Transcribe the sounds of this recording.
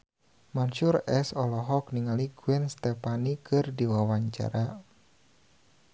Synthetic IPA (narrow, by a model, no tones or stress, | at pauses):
manʃurɛsɔlɔɦɔk̚niŋaliɡ̥uɛnst̪ɛpanikɨrdiwawaɲt͡ʃa̰ɾa